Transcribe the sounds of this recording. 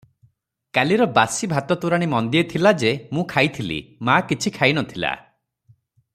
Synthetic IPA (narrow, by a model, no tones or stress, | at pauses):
kaliɾɔbasibʱat̪ɔt̪uɾaɽ̃imɔnd̪iet̪ʰilad͡ʒemũkʰajt̪ʰilḭmakit͡ʃʰikʰajnɔt̪ʰila̰